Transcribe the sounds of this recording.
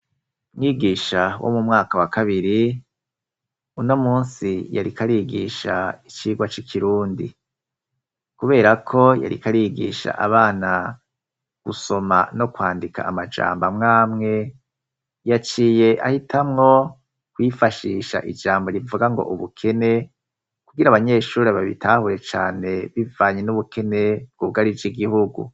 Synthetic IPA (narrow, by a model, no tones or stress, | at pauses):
mŋiːɡiːʃawo̰mumŋaːkawakaβiɾi | uno̞muːnsija̰ɾikaɾiːɡiːʃa̰it͡ʃiːɡwat͡ʃikʰiɾuːndḭ | kuβe̞ːɾakʰo̞ja̰ɾḭkaɾiːɡḭːʃa̰ʔaβaːna | ɡ̥uso̞ma̰no̞kwaːndika̰ʔːmad͡ʒa̰ːmbamŋaːmŋe̞ | jat͡ʃiːje̞ʔa̰hitʰamŋo̞ | kwifaʃiːʃa̰ʔid͡ʒaːmboɾivuɡaŋɡo̞̰ʔuβukʰe̞ne̞ | kuɡiɾaβaɲe̞ːʃuːɾeβaβḭtʰaːhuɾe̞t͡ʃaːne̞βivaːɲenuβukʰe̞ne̞b̚ɡ̥uβuɡaɾid͡ʒiɡihuɡṵ